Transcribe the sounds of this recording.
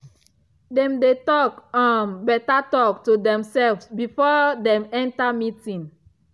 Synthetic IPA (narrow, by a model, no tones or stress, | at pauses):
dɛ̃mdetɔkãnbɛtatɔk̚tudɛ̃msɛlfsbifɔdɛ̃mɛ̃ntamitĩn